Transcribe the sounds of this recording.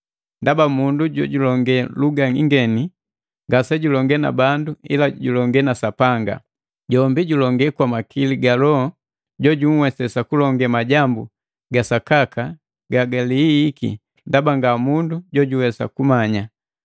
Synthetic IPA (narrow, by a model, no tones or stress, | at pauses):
ndabamunduɟɔɟulɔŋɡɛluɡaŋiŋɡɛni | ŋɡasɛɟulɔŋɡɛna̰banduilaɟulɔŋɡɛnasapaŋɡa̰ | ɟɔmbiɟulɔŋɡɛkwamakiliɡalɔɔ | ɟɔɟuŋ̩wɛsɛsakulɔŋɡɛmaɟambu | ɡasakaka | ɡaɡaliːkḭ | ndabaŋɡamunduɟɔɟuwɛsa̰kumaɲa